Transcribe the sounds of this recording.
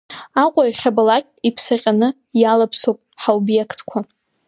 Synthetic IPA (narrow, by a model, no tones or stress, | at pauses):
aqʷʼaiχʲabalakʲʼipʰsaqʲʼanɨ | jalapʰsowpʼħaobjekʰtʰkʷʰa